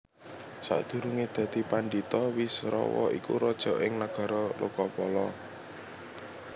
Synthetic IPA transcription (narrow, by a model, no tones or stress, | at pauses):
sa̰ʔd̪̥ṳɾuŋed̪̥ä̤d̪̥i̤panɖit̪ɔwisɾɔ̰wɔ̰ʔikṵɾɔd̥ʒ̥ɔ̤ʔɪŋnaɡ̥ä̤ɾɔlʔukɔpɔlɔ